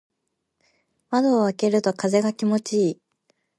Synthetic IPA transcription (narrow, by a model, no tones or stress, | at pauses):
mad̪o̞ːβake̞ɾɯ̟t̪o̞kaze̞ɡakʲimo̞t͡ɕiː